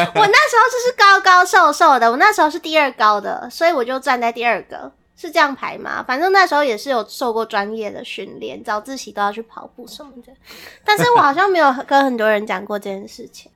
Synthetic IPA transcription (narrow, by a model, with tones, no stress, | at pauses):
wɔ˨˩na˥˩ʂɻ̩˧˥xo˥ʊ˥˩ʂ̩˥˩kɑ˥ʊkɑ˥ʊʂo˥˧ʊʂo˥˩ʊd̪ə˩wɔ˨˩na˥˩ʂɻ̩˧˥xo˥˧ʂɻ̩˥˧t̪̬i˥˧ə˞˥˩kɑ˦˥ʊd̪ə̰˨swɔ˧˥i˧wɔ˨˩t͡ɕjo˥˧ʊʈ͡ʂa˥˧ntt͡sa˥˧ɪt̪i˥˧ə˞˥˩ɡə̰˨˦ | ʂɻ̩˥˧ʈ͡ʂɤ˥˧jɑ˥˩ŋpʰa̰˧˥ɪma̰˨fa˧˥nʈ͡ʂə˥˧na˥˩ʂɻ̩˧˥xo˥˧ʊjɛ˨˩ʂɻ̩˥˩jo˨˩ʊʂo˥˧ʊkwɔ˥˩ʈ͡ʂwa˦˥njɛ˥˩d̪ə̰˩ɕy̰˥˧nljɛ̰˥˩nt͡sɑ˨˩ʊt͡sɹ̩˥˩t͡ɕi˨t̪o˥ʊjɑ˥˧ʊt͡ɕʰy˥˩pʰɑ̰˨˩ʊpu˥˩ʂə˧˦˥mə˨˩d̪ə˩t̪a˥˧nʂɻ̩˥˩wɔ˨˩xɑ˨˩ɕjɑ˥˩ŋme˧˥ɪjo˨˩ʊxkə˦nxə˨˩nt̪wɔ˥ɻə˧˦nt͡ɕjɑ˨˩ŋkwɔ˥˧ʈ͡ʂɤ˥˧˩t͡ɕjɛ˥˩ʂɻ̩˥˩t͡ɕʰi˨˩ŋ